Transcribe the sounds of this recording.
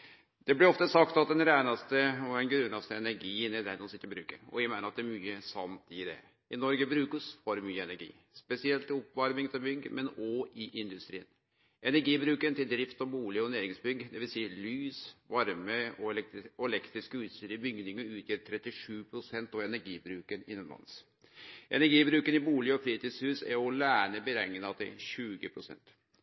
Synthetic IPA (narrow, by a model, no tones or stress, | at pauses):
d̪̥ɛblɪɾɔft̪əsɑkt̪ɑt̪̚d̪ɛnɾæɪnɑst̪əɔɛnɡɾʉːnɑst̪əɛnæɾɡiːənɛd̪ɛnɔsɪt̪ːɾɔbɾʉ̰ːkə̰ɾɔ̰ʋæɪmæɪnəɾɑt̪̚d̪ɛɾmyːəsɑ̰nt̪ɪd̪ɛ̰ | ɪnɔɾɡəbɾʉːkəsfɔɾmyːəɛnæɾɡḭː | spɛsɪɛlt̪ɪɔpːʋɑɾmɪŋt̪ʰɪlbʏɡːmɛnɔɪʔɪnd̪ʉst̪ɾiːən | ʔɛnæɾɡiːbɾʉːkənt̪ɪld̪ɾɪft̪ɔmbuːlɪɔnæːɾɪŋsbʏɡd̪ɛʋɪlsiːəlyːsʋɑɾməɔɔɛlɛkt̪ɾɪskəʉːt̪st̪yːɾəbʏɡd̪ɪŋəɾʉːt̪ʰjøːɾt̪ʰɾɛt̪ːɪʂʉːpʰɾʊsɛnt̪ɔɛnæɾɡiːbɾʉːkənɪ̰nːənlɑ̰ns | ʔɛ̰næɾɡiːbɾʉːkənɪbuːlɪɔfɾiːt̪ɪshʉːsæ̰ɾɔlæːɳəbəɾɛŋːənəɑd̪ɛɕʉːɡəpʰɾʊsɛ̰nt̪